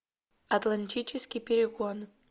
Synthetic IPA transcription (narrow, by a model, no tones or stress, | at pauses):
ɐt̪lˠanʲtʲʰit͡ʃʰɪskʲipʲeɾʲɪɡon